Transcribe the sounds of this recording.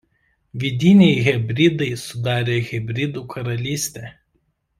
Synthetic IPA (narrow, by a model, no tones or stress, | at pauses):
ʋʲɪd̪ʲɪnʲɛɪɣʲɛbʲɾʲɪd̪ɐɪsʊd̪ɑːɾʲeːɣʲɛbʲɾʲɪd̪uːkʰɐɾɐlʲiːsʲt̪ʲeː